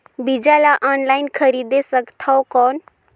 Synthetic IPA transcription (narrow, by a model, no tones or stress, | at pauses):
bid͡ʒalaʔɔnlajnkʰəɾid̪esəkt̪ʰɔwkɔn